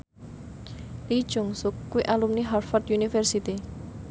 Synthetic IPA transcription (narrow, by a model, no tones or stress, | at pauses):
lid̥ʒ̥ʊŋsʊkːuwiʔalumniɦarfɔrt̪junifɛrsit̪i